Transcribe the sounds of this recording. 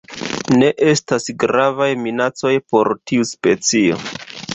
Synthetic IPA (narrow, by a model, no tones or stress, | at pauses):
ne̞ʔe̞stasɡɾavajminat͡so̞jpo̞ɾtiuspe̞t͡sio̞̰